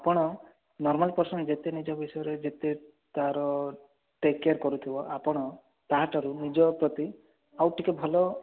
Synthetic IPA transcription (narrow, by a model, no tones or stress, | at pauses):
apɔɽ̃ɔ | nɔɾmalpɔɾsɔnd͡ʒet̪enid͡ʒɔbisɔjɔɾed͡ʒet̪e | t̪aɾɔ | ʈekeɾkɔɾut̪ʰibɔʔapɔɽ̃ɔ | t̪aɦaʈaɾunid͡ʒɔpɾɔt̪i | awʈʰikebʱɔlɔ